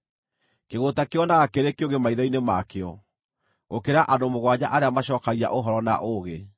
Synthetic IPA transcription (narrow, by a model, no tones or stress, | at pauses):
keɣotakeɔnaɣakeɾekeoɣɡemaiðɔinemakeɔ̰ | ɣokeɾaʔadomoɣwad͡ʑa̰ʔaɾeamaɕɔːkaɣia̰ʔoɦɔɾɔna̰ʔoɣe